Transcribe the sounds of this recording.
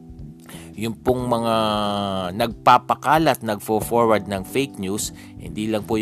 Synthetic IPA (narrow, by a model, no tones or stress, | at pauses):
jʊmpoŋmɐŋa | nɐɡ̚papɐkaːlɐt̪̚nɐɡfoːfoɹwɐɹd̪̚nɐŋfejk̚njus | hɪ̰nd̪iːlɐŋpo